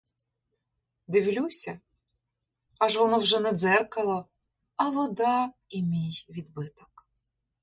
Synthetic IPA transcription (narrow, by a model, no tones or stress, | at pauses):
d̪ɪwlʲusʲɐ | ɑʒʋɔnɔwʒɛnɛd̪zɛrkɐlˠɔ | ɐʋɔd̪ɑ | imʲijʋʲid̪̚bɪt̪ɔ̥k